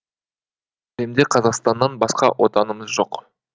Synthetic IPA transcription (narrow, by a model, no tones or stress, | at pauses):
emd̪eqʰɑzɑqst̪ɑnːɑnbɑsqɑ̰wʔo̞̰t̪ɑnəməzʒo̞q